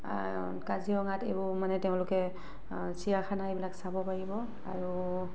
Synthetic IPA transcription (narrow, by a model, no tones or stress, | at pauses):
kaziɔŋatebʊmanɛtɛʊ̃lʊkɛ | sijaxʰanaebilaksabɔpaɹibɔ | a̰ɹu